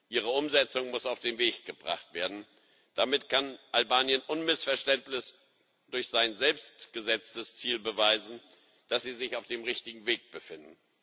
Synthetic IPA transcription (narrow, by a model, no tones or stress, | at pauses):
ʔiːʁ̞əʊmzɛt͡sʊŋmʊsaʊfd̥eːmveːçɡ̥əbʁa̰χtv̥eːɐdn̩ | d̥amɪtkʰanʔalbaːnjənʔʊnmɪsfɛɐʃtɛntnɪç | d̥ʊɐçz̥aɪnzɛlpstɡ̥əzɛt͡stəst͡siːlbəvaɪzn̩ | d̥asz̥iːzɪçaʊfd̥eːmʁɪçtɪɡŋ̩veːk̚b̥əfɪndn̩